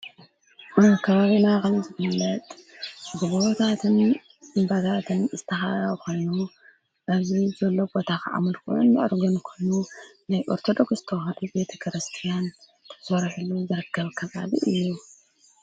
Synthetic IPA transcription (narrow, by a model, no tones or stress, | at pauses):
kʰɐβaβinakɐmzɨfɨlːɐt̪ʼbɨbot̪ʰat̪ʰɨn | ʔɨmbat̪ʰat̪ʰɨnzɨt̪ʰːɐxaaβkʰo̞jnu | ʔɐβzizɐlːo̞bo̞t̪ʰakʰa̰ʔa̰mɨlkṵʕṵnːɨʔɨɾɡonkʰo̞jnunajʔo̞̰ɾt̪ʰo̞d̪o̞kszɨt̪ʰɐwhɐd̪ube̞t̪ʰɐ̥kʰɨɾɨst̪ʰijan | t̪ʰɐ̥sɐɾħuluzɨɾɐkːɐβkʰːɐβa̰liʔɨjːu